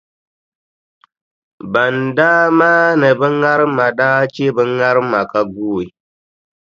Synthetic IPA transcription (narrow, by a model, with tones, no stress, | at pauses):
ba˨ndaː˦ma˦nɨ˨bɨ˦ŋ˦ŋa˦ɾɨ˦mːa˨ɗaː˦t͡ʃe˦bɨ˦ŋ˦ŋa˦ɾɨ˦mːa˨ka˦ɡuː˦˨i˨